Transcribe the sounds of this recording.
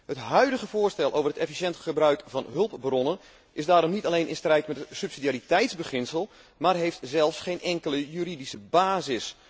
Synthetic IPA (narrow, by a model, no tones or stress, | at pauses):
ɦətɦœɥdəɣəvʊːrstɛlˠʔowvərɦətɛfisɛntχəbrœɥkvɑnɦɵlˠpbrɔnən | ʔɪzdaːɾɔmnitalejnʔɪ̰nstrɛjtmɛtəsypsidiaːɾitɛjtzbəχɪnsəlˠ | maːrɦejftzɛlˠfsχejnʔɛŋkələjyɾidisəbaːzɪs